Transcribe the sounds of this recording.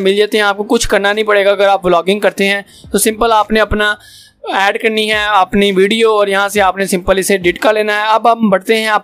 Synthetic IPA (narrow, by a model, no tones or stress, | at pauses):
mɪld͡ʒaːt̪eɦɛ̃aːp̚kokʊt͡ʃʰkɐɾnanɐɦĩpɐɽeːɡaɐɡəɾaːp̚blɔːɡɪ̃ŋɡkɐɾt̪eɦɛ̃ː | t̪osɪ̃mpəlaːpneɐpna | ɛːɖkɐɾniɦɛɐpniʋiːɖijoɔːɾjɐɦãseaːpnesɪ̃mpəlɪseɖɪʈkaleːnaɦɛɐbambɐɽt̪eɦɛ̃aːp